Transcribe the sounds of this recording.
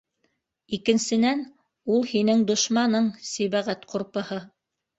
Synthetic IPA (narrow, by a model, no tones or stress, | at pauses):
ikɘ̆nsɘ̆næn | ulˠhinɘŋd̪ŏʃmɑnɤɴsiβæʁæt̪qʰuɾpɤ̆hɤ